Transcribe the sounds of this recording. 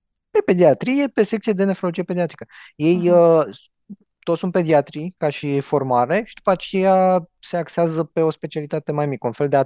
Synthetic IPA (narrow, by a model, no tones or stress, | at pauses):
pe̞pe̞d̪iat̪ɾije̞pe̞sekt̪sijed̪e̞nefɾolod͡ʒijepe̞d̪iat̪ɾikəje̞jə | t̪ot̪ssunt̪̚pe̞d̪iat̪ɾikaʃifo̞rmaɾe̞ʃid̪̥upat͡ʃe̞jase̞akseazəpe̞o̞spe̞t͡ʃialit̪at̪e̞majmikəunfe̞ld̪e̞a